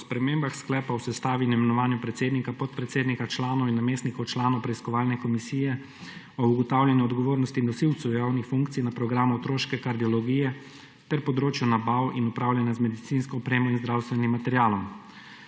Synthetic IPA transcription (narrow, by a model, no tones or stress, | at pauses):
ɔspɾɛmeːmbaxsklɛːpawsɛst̪aːʋinimɛnɔʋaːnjupɾɛt̪seːd̪nikapɔt̪̚pɾɛt̪seːd̪nikat͡ʃlaːnɔwinːameːsnikɔwt͡ʃlaːnɔwpɾɛiskɔʋaːlnɛkɔmisiːjɛ | ɔuɡɔt̪awlʲjɛnjuɔd̪ɡɔʋoːɾnɔst̪iːnd̪ɔsiwt̪sɛwjawnixfuŋkt̪sijnapɾɔɡɾaːmuɔt̪ɾoːʃkɛkaɾd̪iɔlɔɡiːjɛ | t̪ɛɾpɔd̪ɾoːt͡ʃjunabawinupɾaːwlʲjɛnjazmɛd̪it̪sinskɔɔpɾeːmɔinzd̪ɾawst̪ʋɛnimːat̪ɛɾjaːlɔm